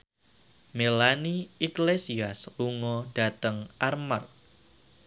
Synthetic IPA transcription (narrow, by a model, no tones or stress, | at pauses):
melaniiklesiasluŋɔd̥a̤t̪əŋʔarmar